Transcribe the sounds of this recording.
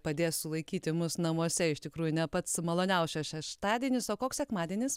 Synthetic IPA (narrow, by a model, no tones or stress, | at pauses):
pɐd̪ʲeːssʊlˠɐɪkʲiːt̪ʲɪmʊsnɐmuɔsʲɛɪʃʲt̪ʲɪkɾuːjʊnʲɛpɐt̪smɐlˠoːnʲɛʊsʃʲɐsʃʲɛʃt̪ɑːd̪ʲiɛnʲɪsoːkoːksʲsʲɛkmɑːd̪ʲiɛnʲɪs